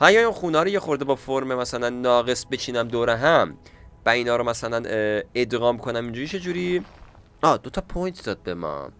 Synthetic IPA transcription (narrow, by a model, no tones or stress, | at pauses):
hæjæɾunxuːnɒːɾiːcexo̞ɾd̪ebɒːfoɾmemæsælænːɒːɣe̞sbet͡ʃʰiːnæmd̪oːɾeɦæmvæiːnɒːɾomæsælæned̪ɣɒːmkʰo̞næmind͡ʒuːɾiːt͡ʃʰe̞d͡ʒuːɾiː | ɒːd̪ot̪ʰɒpʰojnt̪ʰd̪ɒːd̪̚bemɒ̰